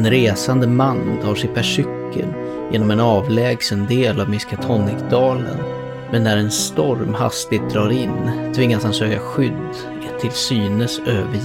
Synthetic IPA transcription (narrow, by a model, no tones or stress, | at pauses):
nɾeːsand̪əmanːt̪ʰɑːʂɛjpʰæʂʏkʰːə̰l | jeːnɔmɛnɑːvlɛːɡsənd̪eːlavmɪskat̪ʰɔnːɪkd̪ɑːlə̰n | mɛnːæɾɛnst̪ɔɾmha̰st̪ɪɡt̪̚d̪ɾɑːɾɪnt̪ʰvɪŋːashansøːkaɧʏd̪ː | ɛt̪ʰːɪlsyːnəsøːvə